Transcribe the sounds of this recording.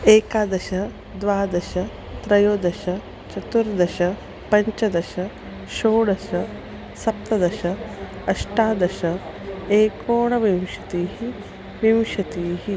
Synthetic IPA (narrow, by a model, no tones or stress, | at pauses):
eːkaːd̪ɐʃɐ | d̪ʋaːd̪ɐʃɐ | t̪ɾɐjoːd̪ɐʃɐ | t͡ʃɐt̪uɾd̪ɐʃɐ | pɐɲt͡ʃɐd̪ɐʃɐ | ʃoːɽɐʃɐ | sɐp̚t̪ɐd̪ɐʃɐ | ɐʂʈaːd̪ɐʃɐ | eːkoːɳɐʋjɐwʃɐt̪iːɦi | ʋɐwʃɐt̪iːɦi